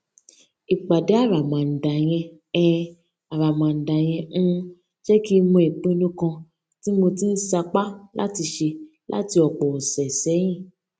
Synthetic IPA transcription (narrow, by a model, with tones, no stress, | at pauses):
i˨k͡pa˨dɛ˨˦a˦˨ɾa˨mã˨n̩˨da˨j̃ɛ̃˧ | ɛ˧ | a˨ɾa˨mã˨n̩˨da˨j̃ɛ̃˧˦ | ʃɛ˦ki˦˧mũ˧e˨k͡pĩ˦nũ˦kã˧ | ti˦mo˧ti˦n̩˦sa˧k͡pa˦lʔa̰˦ti˧ʃe˧ | lʔa̰˦ti˧ɔ˨k͡pɔ˨ɔ˨sɛ˨sɛ˨˦j̃ĩ˦˨